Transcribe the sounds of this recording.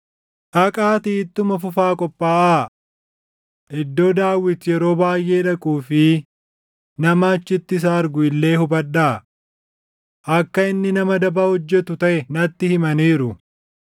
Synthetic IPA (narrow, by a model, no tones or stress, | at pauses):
ʔɐkʼaːt̪iːt̪ːʊmɐfʊfaːkʼɔpʼːaːʔaː | ʔɪd̪ːo̞ːd̪aːwːɪt̪jɛɾo̞ːbaːjʔe̞ːᶑɐkʼuːfɪ | nɐmaːt͡ʃːɪt̪ːɪs̬aːɐɾɡʊɪlːe̞ːhʊbɐᶑaː | ʔɐkːɐɪnːɪnɐmɐd̪ɐbaːhɔd͡ʒːɛt̪ʊt̪ɐʔɛnɐt̪ːɪhɪmɐniːɾʊ